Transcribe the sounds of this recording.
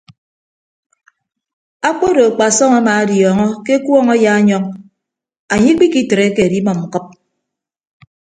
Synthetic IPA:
a˦k͡po˦do˨a˨k͡pa˨sɔ˦ŋa˦ma˨a˦djɔː˨ŋɔ˦ke˦a˦kwɔ˦˨ŋa˦ja˦a˦ɲɔ˦ŋ | a˨ɲi˦k͡pi˦ki˨tɾe˨˦ke˦a˨di˦ma˨m̩˨kɨ˦p̚

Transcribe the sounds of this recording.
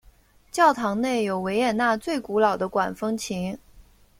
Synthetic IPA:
t͡ɕjɑ˥˩ʊt̪ʰɑ˧˥ŋne˥˩ɪjo˨˩ʊwe˧˥ɪjɛ˨˩nna˥˧t͡swe˥˩ɪku˧˥lɑ˨˩ʊd̪ə˦kwa˨˩nfɤ˥ŋt͡ɕʰi˧˥ŋ

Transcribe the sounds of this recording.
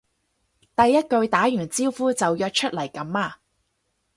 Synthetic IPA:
t̪ɐ˨jːɐ˥t̚kɵ˧ɥt̪aː˨˥jyː˨˩nt͡siː˥wfuː˥t͡sɐ˨wjœː˧k̚t͡ʃʰɵ˥t̚lɐ˨˩jkɐ˨˥maː˧

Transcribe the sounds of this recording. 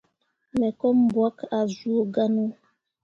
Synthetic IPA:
mɛ˨kɔ˦m̩˦bwa˦ka˨zu˦ɡa˦nu˦

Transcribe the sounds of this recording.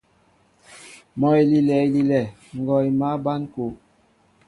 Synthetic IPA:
mɔ˨˦i˨li˨lɛ˨i˨li˦lɛ˨ | ŋ̩˨ɡɔ˨i˨ma˨˦ba˦nko˨

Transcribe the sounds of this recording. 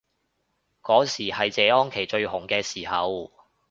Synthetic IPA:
kɔː˨˥siː˨˩hɐ˨jt͡sɛː˨˥ʔɔː˥nkʰe˨˩jt͡ʃɵ˧ɥhʊ˨˩ŋkɛː˧siː˨˩hɐ˨w

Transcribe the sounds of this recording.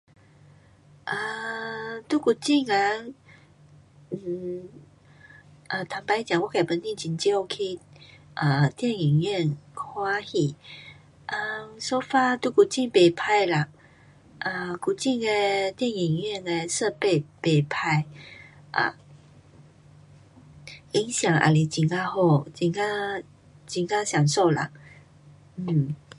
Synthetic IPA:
ʔə˧˩ | t̪u˥˧ku˨˩t͡ɕi˥˧ŋa˧ | n̩˨˩ | ʔə˧˩t̪ʰa˨˧˦ŋpa˧˥ɪ˦t͡ɕja˨ŋwɔ˧˥˦ka˨˩ɪpə˧˦nt̪i˥˧t͡ɕi˨˩nt͡ɕjo˥˩ʊ˧kʰe˧˥i˧ʔə˨˩t̪jɛ˥˧˨ni˨˩ŋɥɛ˥˨nkʰwa˦hi˥˧˨ | ʔə˧so˦fa˦t̪u˥˧ku˨˩t͡ɕi˥˧ŋpe˨˩pʰa˥ɪla˨ | ʔa˧ku˨˩t͡ɕi˥˧nə˧t̪jɛ˥˧˨ni˨ŋɥɛ˥˩˨nə˧sə˥˧pe˥˧˨pe˨˩pʰa˧˥ɪ | ʔa̰˨˧˩ | i˧˦ŋɕja˨˩ŋʔa̰˨˩li˨˩t͡ɕi˨˩ŋka˥˧ho˥˧˩t͡ɕi˨˩ŋka˦ | t͡ɕi˨˩ŋka˥ɕja˨˩ŋso˥˧˨la̰˨ | n̩˥˩

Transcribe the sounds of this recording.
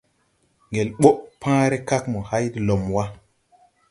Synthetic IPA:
ŋɡe˨lɓo˦ʔpãː˦ɾe˦ka˦kmo˨ha˦jdlo˨mwa˦

